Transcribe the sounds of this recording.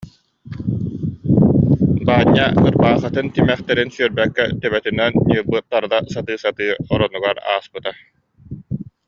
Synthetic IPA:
baːɲːaɯɾbaːχat̪ɯnt̪imɛχt̪ɛɾinsyœɾbɛkːɛ̰t̪ɛbɛt̪ynɛnːibɯt̪ːaɾd̪asat̪ɯːsat̪ɯːɔɾɔnuɡaɾa̰ːspɯt̪a

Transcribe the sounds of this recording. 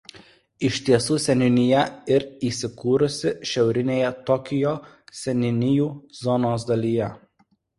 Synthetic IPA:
ɪʃʲt̪ʲiɛsuːsʲɛnʲɪnʲɪjɛɪɾiːsʲɪkuːɾʊsʲɪʃʲɛʊɾʲɪnʲeːjɛt̪ɔkʲɪjoː | sʲɛnʲɪnʲɪjuːzɔnoːsd̪ɐlʲiːjɛ

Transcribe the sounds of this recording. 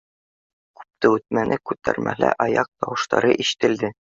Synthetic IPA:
kʉ̥p̚t̪ɘʉt̪̚mænʔɘkʉt̪æ̰ɾmʔæ̰læ̰ʔɒjɑq̚t̪ɒwɤ̆ʃt̪ɑ̰ɾɤʔiɕɘ̥̆t̪ɘ̆ld̪ɘ

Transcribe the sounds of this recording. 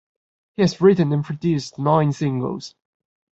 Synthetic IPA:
hiɨzɹɪʔə̃nə̃npʰɹ̥ɨdʉˑstnãɪ̃nsɪ̃ŋɡə̰l̩ˠz̥

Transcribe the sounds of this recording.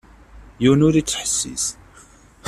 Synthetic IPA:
juwnʊɾit͡sːħəsːḭs

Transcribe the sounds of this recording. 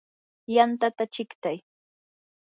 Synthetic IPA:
jant̪at̪at͡ʃɪkt̪aj

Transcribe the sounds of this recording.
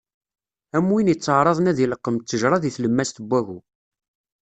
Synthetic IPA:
æmːwinjət͡sːəʕɾˤɑðˤnæðiləqːəmt̪ːəʒɾˤɑðiθləmːæst̪əbːæɣu

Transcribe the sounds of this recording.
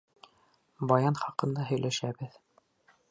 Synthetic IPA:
bɑjɑnχɑqɤ̆nd̪ɑɦɵ̆jlʔæʃæbɘð

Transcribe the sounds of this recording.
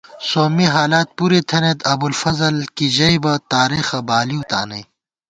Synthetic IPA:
soːmiɦaːlaːt̪̚puːɾit̪ʰɐnet̪ɐbulfɐzɐlkid͡ʑɐibɐt̪aːɾiːxɐbaːliut̪a̰ːnɐ̰j

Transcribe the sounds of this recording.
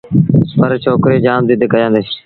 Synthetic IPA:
pəɾt͡ʃʰoːkɾeːd͡ʒaːmd̪iːd̪ekəjãːnd̪es

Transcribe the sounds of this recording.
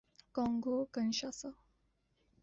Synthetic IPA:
kɔŋɡokənʃasə

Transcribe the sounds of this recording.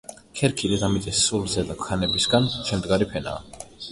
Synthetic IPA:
kʰɛɾkʰilid̪amit̪sʼisːulzɛd̪akʰanɛbisɡant͡ʃʰɛmd̪ɡaɾipʰɛna̰ː

